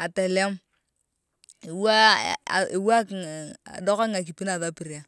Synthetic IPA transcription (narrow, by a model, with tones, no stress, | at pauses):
a˨tɛ˨lɛ˦m | ɪ˨wa˦a̰˨ɪ˨wa˦ka̰˨dɔ˦ka˦ŋa˨k̬i˨pi˦na˨ða˦pi˨ɾi˨a˦˨